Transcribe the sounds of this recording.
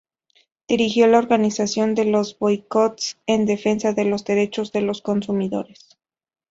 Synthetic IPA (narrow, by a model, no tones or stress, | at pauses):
d̪̥iɾixjo̞lao̞ɾɣanisasjo̞nd̪e̞lo̞zβojko̞t̪send̪e̞fe̞nsaðe̞lo̞zðe̞ɾe̞t͡ʃo̞zðe̞lo̞sko̞nsumiðo̞̰ɾes